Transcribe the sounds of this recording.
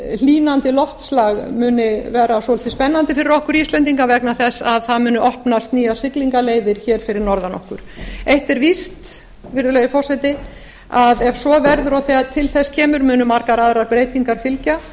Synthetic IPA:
liːnant̪ɪlɔft̪slaɣmʏːnɪvɛːɾasɔɛl̥t̪ɪspɛnːant̪ɪfɪɾɪɾɔhkʏɾiːst̪lœnt̪iŋkavɛknaθɛsːaðθaðmʏːnʏʔɔhpnast̪niːjḁsɪk̪liŋkaleːjðɪɾ̥çɛːɾ̥fɪɾɪɾnɔɾðanɔ̰hkʏɾ̥ejht̪ɪɛɾvist̪ | vɪɾðʏlɛjʏfɔr̥sɛt̪ɪ | aðɛvsɔvɛɾðʏɾaθɛat̪ʰɪlθɛscʰɛːmʏɾmʏːnʏmaɾkaɾaðɾaɾpɾeːjt̪ʰiŋkaɾ̥fɪlca

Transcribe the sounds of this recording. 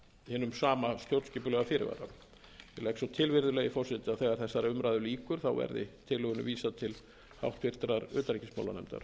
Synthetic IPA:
hɛnːʏmsaːmast̪jowɾt̪scɪːpʏlɛɣafɪːɾɪ̰va̰ɾa̰ | jɪlɛhksɔt̪ʰɪlvɪɾðʏlɛjɣɪfɔr̥sɪt̪ɪaðθɛːɣaɾ̥θɛsːaɾʏmɾaːjðʏliːkʏɾ̥θawvɛ̰ɾðɪ̰t̪ʰɪlɛɣʏnʏ̰viːsat̪ʰɪl | ha̰wht̪vɪɾ̥t̪ɾaɾʏːt̪aɾicɪsma̰wla̰nɛ̰mt̪a̰ɾ̥

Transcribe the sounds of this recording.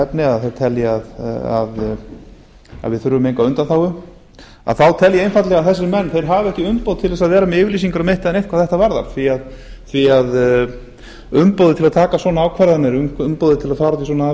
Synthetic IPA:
ɛpnɪaðθejɾ̥t̪ʰɛljɪaða̰ð | a̰ðvɪðθʏɾʏvʏmejŋkaʏnt̪anθawʏ | a̰ðθawt̪ʰɛljɪejnfat̪lɛɣaðθɛs̬ːɪmɛnːθejɾɦavɪɛhcɪʏmpowðt̪ʰɪlɛsaðvɛːɾamɛɪːvɪɾlis̬iŋkaɾameht̪ɪɛnejht̪̚kvaθɛht̪avaɾða̰ɾθviað | θviað | ʏmpowðɪt̪ʰɪlaðt̪ʰaːkasɔnaawkʰvaɾðanɪɾʏmʏmpowðɪt̪ʰɪlaðfaːɾat̪is̬ɔːna

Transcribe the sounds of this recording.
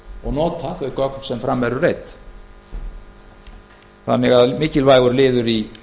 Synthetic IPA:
ɔɣnɔːt̪aθœɥkɔk̚n̥sɛmfɾamːɛɾʏreːjt̪ | θa̰nːɪɣaðmɪːcɪlvaːjɣʏɾlɪːðʏɾi

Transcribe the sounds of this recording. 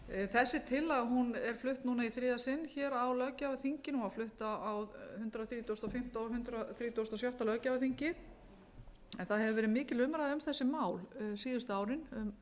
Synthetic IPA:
θɛsːɪt̪ʰɪlːaðɦunɛɾ̥flʏht̪nuːnaiθɾɪːðasɪnːçɛːɾawlœːcavaθiɲcɪnuawflʏht̪aawhʏnt̪ɾaθɾiːt̪ʰowst̪ɔfɪm̥t̪aɦʏnt̪ɾaθɾiːt̪owst̪ɔsjawht̪alœːcavaθiɲcɪ | ɛnθaðɦɛvʏvɛːɾɪmɪːcɪlʏmɾaðaʏmθɛsːɪmaːwlsiːðʏst̪ʏaːwɾɪnm

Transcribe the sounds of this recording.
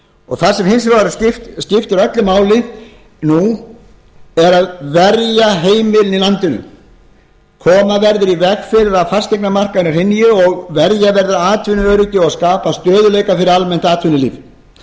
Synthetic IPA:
ɔɣθasɛmhɪnsɾaɾascɪft̪scɪft̪ɪɾœt̪lʏmaːwlɪ | nu | ɛɾaðvɛɾjaɦeːjmɪlnilant̪ɪnʏ̰ | kʰɔːmavɛɾðʏɾivɛxfɪɾɪɾaðfar̥st̪ejknamar̥kaðnɪr̥hɪnːjɪɔɣvɛɾjavɛɾðɪɾaaːt̪ʰvɪnʏœːɾɪc̪ɪɔaskaːpast̪œːðʏlejkafɪɾɪɾalmɛn̥t̪aːt̪ʰvɪnʏlḭːv

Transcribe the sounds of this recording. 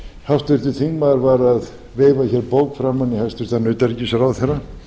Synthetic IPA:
haft̪vʏr̥t̪ɪθʰiŋmaðaɾvaɾað | veːjvaçɛːɾpoːwkfɾaːmanːɪhalst̪vʏɾ̥t̪anʏːt̪aɾcɪsɛɾawθɛrːa

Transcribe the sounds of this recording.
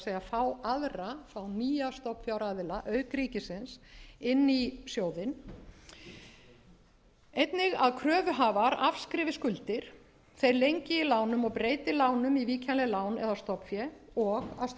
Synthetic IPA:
sejafawaðrafawniːjast̪ɔpfjawɾaðɪlaʔœɥkɾiːcɪsɪnsɪnːisjoːwðɪn | ejt̪nɪɣaðkʰɾœːvʏɦaːvaɾafskɾɪːvɪskʏlt̪ɪɾ̥ | θejɾlejɲcɪilaːwnʏmɔɣpɾeːjt̪ɪlaːwnʏmiviːcʰanlɛlaːwnɛðast̪ɔpfjɛɔɣa̰s

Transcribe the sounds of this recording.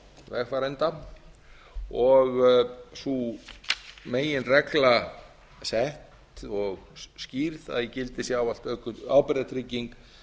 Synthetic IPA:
vɛxfaɾɛnt̪a | ɔɣsu | meːjɪnrɛkla | sɛht̪t̪ɔɣsciɾθa̰ðjɛcɪlt̪ɪsjawal̥t̪œkʏɾaːwpɪɾðt̪ʰɾiciŋk

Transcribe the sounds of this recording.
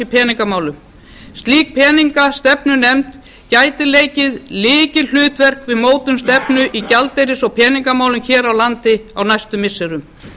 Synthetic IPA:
ipʰɛːniŋkamaːwlʏm | st̪liːk̚pʰɛːniŋkast̪ɛpnʏnɛmt̪ | caːjt̪ɪleːjcɪðlɪːcɪl̥ʏːt̪vɛr̥kvɪðmoːwt̪ʏmst̪ɛpnʏʔicalt̪ejɾɪsɔɣpʰɛːniŋkamaːwlʏmçɛːɾawlant̪ɪawnajst̪ʏmːɪsːɛɾʏm

